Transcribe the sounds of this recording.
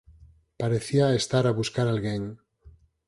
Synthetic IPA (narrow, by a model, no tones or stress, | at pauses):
paɾeθiaest̪aɾaβuskaɾalɣeɲ